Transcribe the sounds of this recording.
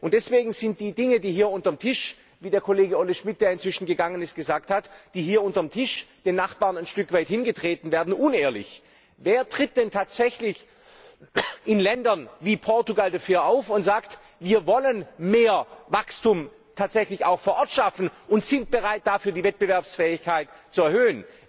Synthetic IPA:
ʔʊnt̚d̥ɛsv̥eːɡŋ̩zɪnt̚d̥iːdɪŋədiːhiːɐʊntɐmtʰɪʃ | viːdeːɐkʰoleːɡəoləʃmɪt̚d̥eːɐɪntt͡sv̥ɪʃn̩ɡəɡaŋənɪstɡ̥əzaːk̚thatd̥iːɦiːɐʊntɐmtʰɪʃd̥eːnaχb̥aːʁnaɪnʃtʏkv̥aɪthɪnɡətʁ̥eːtn̩veːɐdn̩ʔʊneːɐlɪ̰ç | veːɐtʁ̥ɪt̚d̥ɛntʰaːtz̥ɛçlɪç | ʔɪnlɛndɐnviːpʰɔɐtuɡaldafyːɐʔaʊfʊntz̥aːkt | viːɐvɔlənmeːɐvakstuːm | tʰaːtz̥ɛçlɪçaʊxfoːɐʔɔɐtʃafn̩ʔʊntz̥ɪnt̚b̥əʁaɪt̚d̥afyːɐdiːvɛt̚b̥əvɛɐpsfɛːɪçkʰaɪtt͡suɛɐhøːən

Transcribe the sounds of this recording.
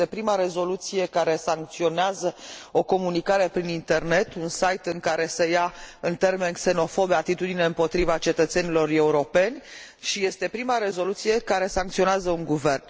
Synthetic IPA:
epɾimaɾe̞zo̞lut̪sije̞kaɾe̞saŋk̚t̪sio̞neazəo̞ko̞munikaɾe̞pɾinint̪e̞rne̞t̪unsajt̪ɨŋkaɾe̞səjaɨnt̪e̞rme̞nkse̞no̞fo̞beat̪it̪ud̪ine̞ɨmpo̞t̪ɾivat͡ʃe̞t̪ət̪se̞nilo̞re̞uɾo̞pe̞nʲ | ʃije̞st̪e̞pɾimaɾe̞zo̞lut̪sije̞kaɾe̞saŋkt̪sioneazəuŋɡuve̞rn

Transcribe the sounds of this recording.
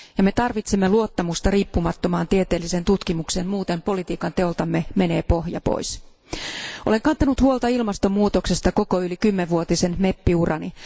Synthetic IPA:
jɑme̞t̪ɑrʋit̪semːeluot̪ːɑmust̪ɑriːpːumɑt̪ːomɑːnt̪iet̪e̞ːlːise̞nt̪ut̪kimukse̞ːnmuːt̪empo̞lit̪iːkɑnt̪e̞olt̪ɑmːeme̞neːpo̞hjɑ̰po̰js | ole̞ŋkɑnt̪ɑnut̪huolt̪ɑilmɑst̪omuːt̪o̞ksest̪ɑko̞koylikymːeʋʋuot̪ise̞nme̞pːiurɑni

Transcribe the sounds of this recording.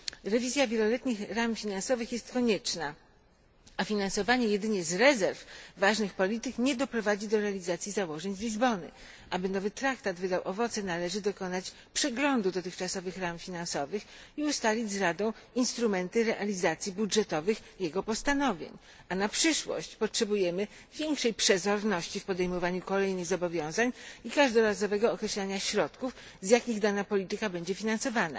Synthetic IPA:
ɾɛvʲizʲjavʲjɛlɔlɛt̪ɲixɾamfʲinansɔvɘxjɛst̪kɔɲɛt͡ʂna | afʲinansɔvaɲɛjɛd̪ɘɲɛzɾɛzɛɾfːaʐnɘxpɔlʲit̪ɘkɲɛd̪ɔpɾɔvad͡ʑid̪ɔɾɛalʲizat̪sʲjizawɔʐɛɲzlʲizbɔnɘ̰ | ʔabɘnɔvɘt̪ɾakt̪ad̪vɘd̪awʔɔvɔt̪sɛnalɛʐɘd̪ɔkɔnat͡ɕ | pʂɛɡlɔnd̪ud̪ɔt̪ɘxt͡ʂasɔvɘxɾamfʲinansɔvɘx | iust̪alʲid͡ʑzɾad̪ɔ̃w̃inst̪ɾumɛnt̪ɘɾɛʔalʲizat̪sʲjibudʐɛt̪ɔvɘxjɛɡɔpɔst̪anɔvʲjḛɲ | anapʂɘʂwɔ̰ɕt͡ɕpɔtʂɛbujɛmɘ | vʲjɛŋkʂɛjpʂɛzɔɾnɔɕt͡ɕifpɔd̪ɛjmɔvaɲukɔlɛjnɘɣzɔbɔvʲjɔ̃w̃zaɲikaʐd̪ɔɾazɔvɛɡɔːkɾɛɕlaɲaɕɾɔt̪kufzʲjakʲiɣd̪anapɔlʲit̪ɘkabɛɲd͡ʑɛfʲinansɔvana̰

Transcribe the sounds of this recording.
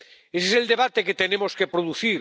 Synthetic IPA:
eseseld̪e̞βat̪eket̪enemoskepɾoðuθiɾ

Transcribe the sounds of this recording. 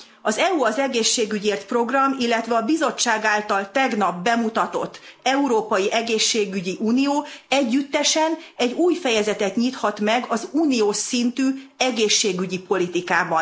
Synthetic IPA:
ɒzɛuɒzɛɡeːʃːeːɡyɟeːrt̪pro̞ɡrɒmilːɛt̪ʋɛɒbizo̞t͡ʃːaːɡaːlt̪ɒlt̪ɛɡnɒbːɛmut̪ɒt̪o̞̰t̪ːɛuɾoːpɒjiʔɛɡeːʃːeːɡyɟiʔuːnijoːɛɟːyt̪ːɛʃɛnɛɟuːjfɛjɛzɛt̪ɛt̪ɲit̪hɒt̪mɛɡɒzuːnijoːʃsint̪yːɛɡeːʃːeːɡyɟipo̞lit̪ikaːbɒn

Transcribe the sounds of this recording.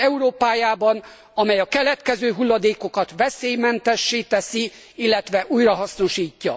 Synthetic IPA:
ɛuɾoːpaːjaːbɒn | ɒmɛjɒkɛlɛt̪kɛzøːɦulːɒd̪eːko̞kɒt̪ʋɛseːjmɛnt̪ɛʃːeːt̪ɛsi | ilːɛt̪ʋɛʔujrɒɦɒsno̞ʃiːcːɒ̰

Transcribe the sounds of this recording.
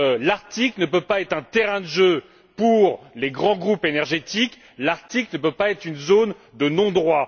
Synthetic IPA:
laʁt̪iklnəpøpaɛt̪χɛ̃t̪ɛʁɛ̃d̪əʒø | puʁleɡʁɑ̃ɡʁupenɛʁʒet̪ik | laʁt̪iklnəpøpaɛt̪χynzon | d̪ənɔ̃d̪ʁwa

